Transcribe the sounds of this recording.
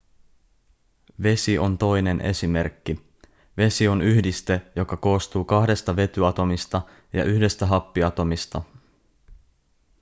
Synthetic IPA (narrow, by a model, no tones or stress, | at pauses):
ʋe̞siʔo̞nt̪o̞jne̞nʔe̞̰sime̞rkːi | ʋe̞sio̞nyhdist̪e̞jo̞kɑko̞ːst̪uːkɑhde̞st̪ɑʋe̞t̪yɑt̪o̞mist̪ɑ | jɑ̰ʔyhde̞st̪æɦɑpːiɑt̪o̞mist̪ɑ